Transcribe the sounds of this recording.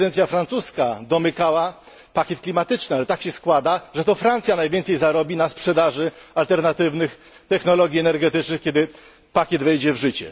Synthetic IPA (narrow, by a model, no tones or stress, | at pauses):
ɛnt̪sʲjafɾant̪suskad̪ɔmɘkawa | pakʲɛt̪̚klʲimat̪ɘt͡ʂnɘalɛt̪akɕɛskwad̪aʐɛt̪ɔfɾant̪sʲjanajvʲjɛnt̪sɛjzaɾɔbʲinaspʂɛd̪aʐɘalt̪ɛɾnat̪ɘvnɘx | t̪ɛxnɔlɔɡʲjiɛnɛɾɡɛt̪ɘt͡ʂnɘxkʲɛd̪ɘ | pakʲjɛd̪vɛjd͡ʑɛvʐɘt͡ɕɛ̰